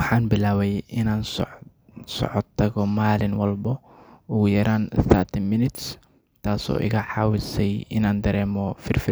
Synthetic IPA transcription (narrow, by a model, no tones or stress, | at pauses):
wɑħɑːnbɪlaːwɛjʔɪnaːns | sɔ̰ʕɔd̪̚t̪ʰɐɣɔmaːlɪnwɑlbɐ | ʊːjɐɾaːnθɐt̪ʰɪnmɪnɪt̪s | t̪ʰaːsɔ̰ːʔɪ̰ɣaħɑːwɪsɛjɪ̰naːnd̪ɐɾɛːmɔfɪrfɪ